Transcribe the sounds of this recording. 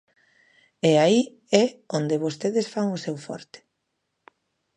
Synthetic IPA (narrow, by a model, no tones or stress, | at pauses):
eai | ɛond̪eβost̪eðesfaŋʊsɛwfɔ̰ɾt̪ɪ̥